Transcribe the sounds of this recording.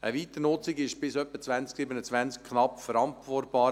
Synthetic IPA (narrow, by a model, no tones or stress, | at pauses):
ʔəʋiːt̪ənʊt͡sɪɡɪʃb̥ɪsœpːət͡svænsksɪbənət͡sʋænsk̚kʰnɑpfəɾɑntvɔrtb̥ɑː